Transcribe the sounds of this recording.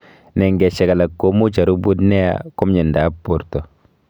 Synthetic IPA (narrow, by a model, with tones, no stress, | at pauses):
nɛ˨ŋɡɛ˨ʃɛ˨ɡa˨la˨kːo˦mu˦t͡ʃa˨ɾu˦bu˦dnɛ˦ja̰˨ku˦mɲi˨nda˨˦pu˨ɾtɔ˨